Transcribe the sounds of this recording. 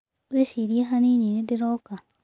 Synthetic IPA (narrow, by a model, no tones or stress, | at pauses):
βesiɾieɦanininidɪɾoka